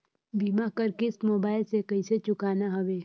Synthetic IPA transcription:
biːmakəɾkɪsmoːbaːɪlsekɐiset͡ʃʊkaːnaɦɐʋeː

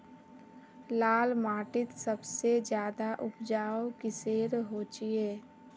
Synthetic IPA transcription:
laːlmaːʈɪt̪səbsed͡ʒjaːd̪aʔʊpd͡ʒaːokiseːɾɦot͡ʃieː

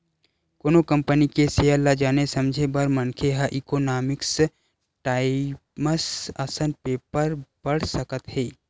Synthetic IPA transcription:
koːnokɐ̃mpənikeseəlːad͡ʒaːnesɐ̃md͡ʒʱebəɾmɐnkʰeɦəʔikonaːmɪks | ʈaːɪ | məsasənpeːpəɾb̥əɽ̤səkət̪ɦeː

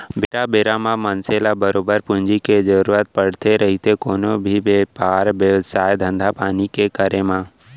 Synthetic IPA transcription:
bɪɾabeɾamãmənselabəɾoːbəɾpʊ̃ɲd͡ʒiked͡ʒəɾuɾat̪̚pəɽt̪eɾəɦit̪ekoːnobʱibepaːɾʋjəʋsaːjd̪ʱə̃nd̪ʱapaːnikekəɾemã

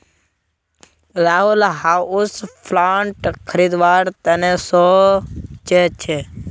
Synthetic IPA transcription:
ɾaːɦulɦaːuspʰlaːɳʈkʰəɾiːd̪ʋaːɾt̪ənesɔːt͡ʃʰet͡ʃʰe

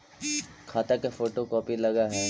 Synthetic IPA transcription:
kʰaːt̪akefoːʈokɔːpilɐɡaɦɛː

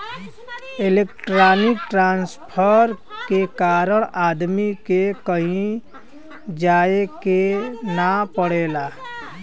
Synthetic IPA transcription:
eleːkʈɾaːnɪk̚ʈɾãːnspʰəɾkekaːɾəɽ̃aːd̪mikekəɦĩ | d͡ʒaːekenapəɽ̤eːlaː

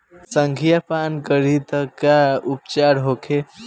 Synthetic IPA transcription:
səŋɡʱijapankəɾit̪əkaupt͡ʃaɾɦokʰe

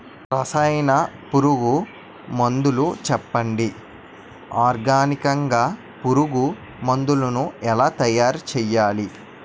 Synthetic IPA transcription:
ɾɐsɐjnɐpuɾuɡu | mɐnd̪ulut͡ʃɛpːɐɳɖi | aːɾɡaːnikɐŋɡaː | puɾuɡu | mond̪ulunuɛlaːt̪ɐjaːɾt͡ʃɛːjːaːli

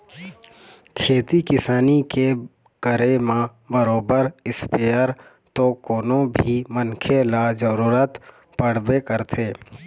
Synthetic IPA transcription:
kʰeːt̪ikɪsaːnike | kəɾemã | bəɾoːbəɾɪspeːəɾ | t̪okoːnõbʱimənkʰelad͡ʒəɾuːɾət̪ | pəɽ̤bekəɾt̪ʰeː

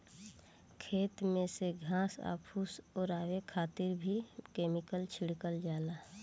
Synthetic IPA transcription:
kʰeːt̪mẽseɡʱãːsa̰ːpʰusɔːɾaːwekʰaːt̪ɪɾbʱikeːmɪkəlt͡ʃʰɪɽkəld͡ʒaːlaː

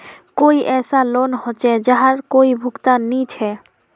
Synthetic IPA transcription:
kojʔɛsalonhot͡ɕed͡ʑaɦaɾkoibʱukt̪anːit͡ɕʰɛ

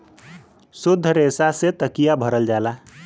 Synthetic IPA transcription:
sud̪ʱːəɾeːsaset̪əkijabʱəɾəld͡ʒaːla

